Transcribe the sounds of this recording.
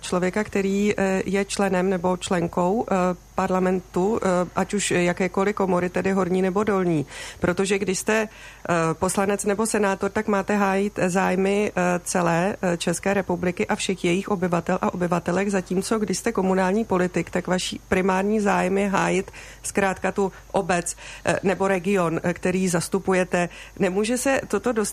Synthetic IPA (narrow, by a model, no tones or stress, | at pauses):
t͡ʃlo̞vjɛkakt̪ɛɾiːjɛt͡ʃlɛnɛmnɛbo̞t͡ʃlɛŋko̞wpaɾlamɛnt̪uʔacuʃjakɛːko̞lɪko̞mo̞ɾɪt̪ɛdɪɦo̞ɾɲiːnɛbo̞do̞lɲiːpɾʔo̞t̪oʒɛɡdɪʃst̪ɛ | po̞slanɛt͡snɛbo̞sɛnaːt̪o̞ɾt̪akmaːt̪ɛɦaːjit̪zaːjmɪt͡sɛlɛːt͡ʃɛskɛːɾɛpublɪkɪʔafʃɛxjɛjɪxʔo̞bɪvat̪ɛlʔa̰ʔo̞bɪvat̪ɛlɛɣzaciːmt͡so̞ɡdɪʃst̪ɛko̞munaːlɲiːpo̞lɪt̪ɪkt̪akvaʃḭːpɾɪmaːɾɲiːzaːjɛmjɛɦaːjɪt̪ | skɾaːt̪kat̪u | ʔobɛt͡snɛbo̞ɾɛɡɪo̞nkt̪ɛɾiːzast̪upujɛt̪ɛnɛmuːʒɛsɛt̪o̞t̪o̞do̞s